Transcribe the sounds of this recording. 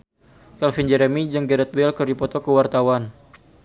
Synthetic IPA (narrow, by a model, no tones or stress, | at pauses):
kɛlfind͡ʒɛɾɛmid͡ʒɨŋɡɛɾɛt̪̚wɛlkərdipɔt̪ɔkəwart̪awan